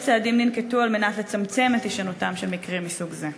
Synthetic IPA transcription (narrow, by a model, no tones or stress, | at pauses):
t͡seadimninketualme̞nat̪let͡samt͡se̞met̪iʃanutamʃemikʁimːisuɡze